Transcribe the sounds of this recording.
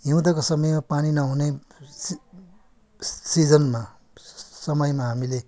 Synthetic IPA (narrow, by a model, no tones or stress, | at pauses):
ɦiw̃t̪ʌkosʌmʌjmapaninʌɦunes | sid͡zʌnma | sʌmʌjmaɦamile